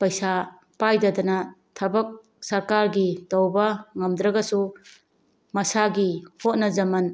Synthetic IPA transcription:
pɐjsa | pajdɐdɐnɐtʰɐbɐk̚ | sɐɾkaɾɡitɐwbɐŋɐmd̪ɾɐɡɐsu | mɐsaɡihot̚nɐzɐmɐn

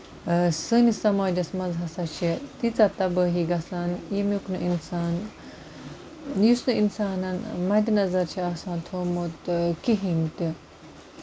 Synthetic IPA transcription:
sɨnisɐmaːd͡ʒɐsmɐnzɦɐsat͡ʃʰit̪it͡sat̪ɐbəːɦiɡɐsanjimuknɨʔinsaːn | jusnɨinsaːnɐnmɐd̪inɐzɐɾt͡ʃʰiɐsãːnt̪ʰoːmot̪kiɦimt̪i

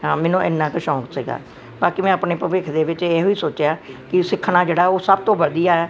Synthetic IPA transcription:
ɦãːmɛ̃ːnõːʔɪ̰nːãːkəʃɔ̃ːksiɡa̰ː | baːkiːmɛ̃ːəpneːpəʋeːkʰd̪eːʋɪt͡ʃɛːɦoːiːsoːt͡ʃjaːkɪsɪkʰːnaːd͡ʒeːɽaːɛoːsəb̚t̪õːʋəd̪ijaːɛː

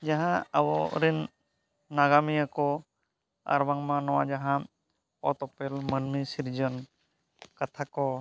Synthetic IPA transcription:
d͡ʒaɦaawɔ̰ɾinː | aɡamiako | a̰ɾwaŋmanɔad͡ʒaɦa | ɔt̪ɔpɛlmənmisiɾd͡ʒən | kat̪ʰako

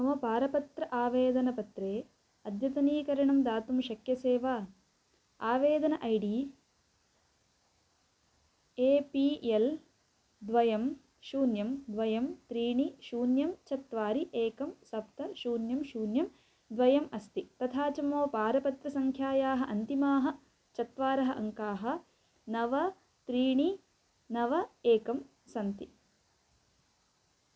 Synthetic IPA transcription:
ɐmɐpaːɾɐpɐt̪ɾɐʔaːʋeːd̪ɐnɐpɐt̪ɾeː | ɐd̪ʱjɐt̪ɐniːkɐɾɐɳɐmd̪aːt̪umʃɐkjɐseːʋaː | aːʋeːd̪ɐnɐʔɐjɖiː | eːpiːel | d̪ʋɐjɐm | ʃuːnjɐmd̪ʋɐjɐmt̪ɾiːɳiʃuːnjɐmt͡ʃɐt̪ʋaːɾiʔeːkɐmsɐp̚t̪ɐʃuːnjɐmʃuːnjɐm | d̪ʋɐjɐmɐst̪it̪ɐt̪ʰaːt͡ʃɐmoːpaːɾɐpɐt̪ɾɐsɐŋkʰjaːjaːɦɐʔɐnt̪imaːɦɐ̆ | t͡ʃɐt̪ʋaːɾɐɦɐʔɐ̰ŋkaːɦɐ̆ | nɐʋɐ | t̪ɾiːɳi | nɐʋɐeːkɐm | sɐnt̪i

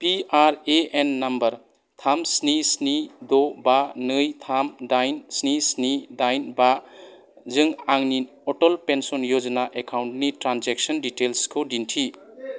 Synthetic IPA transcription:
piaɾeenːɐmbɐɾ | t̪ʰamsnisnid̪ɔbanɯjt̪ʰamdajnsnisnidajnba | zɯŋaŋnin | ɔʈɔlpensɔnjod͡ʒnaʔekʰawnʈnitɾanzek̚sɔnditelskʰɯdintʰi

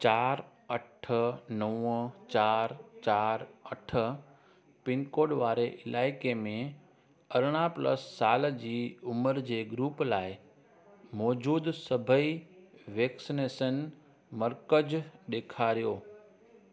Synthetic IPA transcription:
t͡ɕaːɾ | ɐʈʰənəwət͡ɕaːɾt͡ɕaːɾɐʈʰə̆ | pɪnkoːɖʋaːɾeʔɪlʔaːɪkemẽ | ɐɾɽ̃aplə̰sːaːld͡ʑiːʊməɾd͡ʑeːɡɾuːplaːɪ | mɔːd͡ʑuːd̪sɐbʱəiʋeːksineːsən | məɾkəd͡ʑɗ̪eːkʰaɾijoː

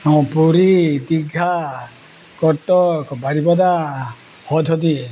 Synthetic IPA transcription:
ɔ̃puɾid̪iɡʱa | kɔtːɔkbaɾibɔd̪a | hɔd̪ʱɔd̪i

